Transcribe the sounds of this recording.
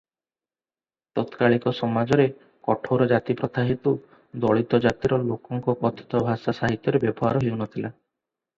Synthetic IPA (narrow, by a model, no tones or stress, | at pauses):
t̪ɔt̪kaɭikɔsɔmad͡ʒɔɾe | kɔʈʰowɾɔd͡ʒat̪ipɾɔt̪aɦit̪u | d̪ɔɭit̪ɔd͡ʒat̪iɾɔlokɔŋkɔkɔt̪ʰɔ̥t̪ɔbʱasasaɦit̪jɔɾebjɔbɔɦaɾɔɦiwnɔt̪ʰila